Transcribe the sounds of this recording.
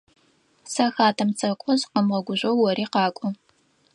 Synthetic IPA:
sɐxaːtʰɐmt͡sʰʼɐkʷʼɔzqəmʁɐɡʷʊʑʷɐwːɔɾiːqɑːkʷʼɔ

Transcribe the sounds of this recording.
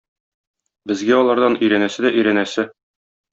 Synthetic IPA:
bɘ̆zɡæɒlˠɑɾd̪ɑnɵ̆jɾænæsɘd̪æʔɵ̆jɾænæsɘ

